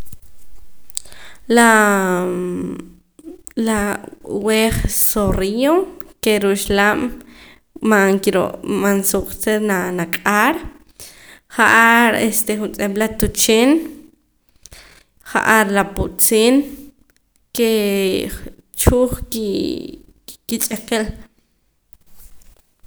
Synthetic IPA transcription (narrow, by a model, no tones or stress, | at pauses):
la | laweːχsoriokeɾuʃlam | maŋkiɾo̰ʔmansuqʼt͡senanakʼaɾ | χaʔaɾest̪eχunt͡sʼeɓlat̪ut͡ʃeːn | χa̰ʔaɾlapuʔt͡siːn | ke | t͡ʃuːχki | kit͡ʃʼeqel